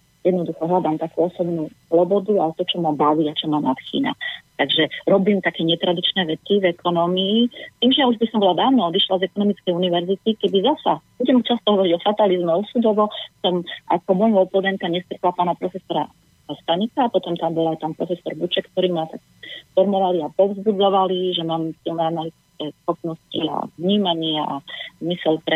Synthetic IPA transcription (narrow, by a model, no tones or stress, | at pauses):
jɛd̪nɔd̪uxɔɦlad̪amt̪akuːɔsɔbnuːslɔbɔd̪uat̪ɔt͡ʃɔmabaʋiat͡ʃɔmanat̪xḭːna̰t̪aɡʒɛɾɔbiːmt̪akɛːɲɛt̪ɾad̪it͡ʃnɛːʋɛt̪ivɛkʰɔnɔːmiːt̪iːmʒɛjauʒbisɔmbɔlad̪aːʋnɔɔd̪iʃlazɛkɔnɔmit͡skɛjuniʋɛɾzit̪ikɛd̪izasab̥uɟɛmt͡ʃast̪ɔɦɔʋɔɾiɟɔfat̪alizmɛɔsud̪ɔʋɔsɔmʔakɔbɔmʋɔlpɔd̪ɛnk̪aɲɛst̪ɾɛk̪lapaːnapɾɔfɛsɔɾa̰ | ast̪aɲikapɔt̪ɔmt̪ambɔlajt̪anpɾɔfɛsɔɾbut͡ʃɛkːt̪ɔɾimat̪ak | fɔɾmɔʋaliapɔvzbud͡zɔʋaliʒɛmaːmfilnɛanalit̪it͡skɛːsxɔpnɔscia̰vɲiːmaɲɪaʔazmisɛlpɾɛ